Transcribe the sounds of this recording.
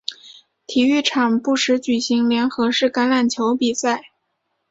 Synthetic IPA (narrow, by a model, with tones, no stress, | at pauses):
t̪ʰi˨˩y˥˩ʈ͡ʂʰɑ˨˩ŋpu˥˩ʂɻ̩˧˥t͡ɕy˨˩ɕi˧˥ŋljɛ˧˥nxɤ˧˥ʂɻ̩˥˩ka˧˥nla˨˩nt͡ɕʰjo˧˥ʊpi˨˩sa˥˩ɪ